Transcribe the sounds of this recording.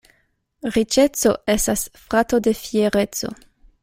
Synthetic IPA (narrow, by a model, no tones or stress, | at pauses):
ʁit͡ʃet͡so̞estasfɾat̪o̞defieɾet͡so̞̰